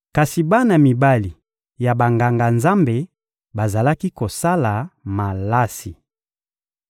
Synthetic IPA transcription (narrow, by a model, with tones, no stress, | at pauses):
ka˨si˨ba˦na˨mi˨ba˦li˨ | ja˨ba˨ŋɡa˨ŋɡa˨nza˦mbe˨ | ba˨za˨la˦ki˦ko˨sa˦la˨ma˨la˦si˨